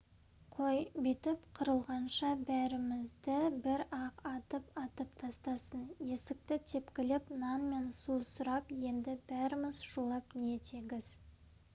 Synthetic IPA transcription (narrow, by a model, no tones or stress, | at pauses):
qʰo̞jbit̪ɪpqʰʊɾəlˠʁɑnʃɑbæɾɪmɪzd̪ɪbɪɾɑqɑt̪əpɑt̪əpt̪ʰɑst̪ɑsənje̞sɪk̚t̪ɪt̪ʰe̞pkʲɪlɪpnɑnme̞nsusʊɾɑpje̞nd̪ɪb̥æɾɪmɪzʒ̥ulˠɑpnet̪ʰeɡʲɪz̥